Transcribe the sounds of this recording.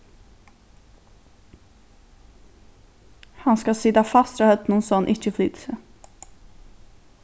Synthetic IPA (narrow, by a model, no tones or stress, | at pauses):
hɑnskɑsid̪ɑfɑst̪ɾɑhœt̪nuːnsɔɑnʔɪçəfly̰ːd̪sə